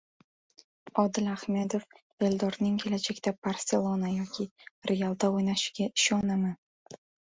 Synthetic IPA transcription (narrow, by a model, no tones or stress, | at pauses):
ɒd̪ɪlahme̞d̪of | e̞ld̪ɒɾnɪŋkʲʰe̞lad͡ʒakʲt̪apaɾse̞lˠonajɒkʲʰɪɾejalˠd̪aojnaʃɪ̥ɡʲaɪʃɒnaman